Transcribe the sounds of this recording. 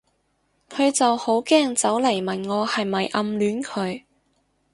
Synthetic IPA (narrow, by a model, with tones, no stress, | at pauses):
kʰɵ˨˧ɥt͡sɐ˨who˨˥wkɛː˥ŋt͡sɐ˨˥wlɐ˨˩jmɐ˨˩nŋɔː˨˧hɐ˨jmɐ˨jʔɐ˧mlyː˨˥nkʰɵ˨˧ɥ